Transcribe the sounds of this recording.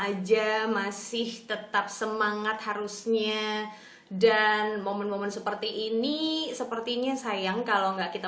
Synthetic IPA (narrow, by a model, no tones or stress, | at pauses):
ad͡ʒamasɪht̪ət̪ap̚səmaŋat̪̚haɾusɲa | danmomɛnmomɛnsəpərt̪iʔːnisəpərt̪iɲasajaŋkaloŋɡaʔkit̪a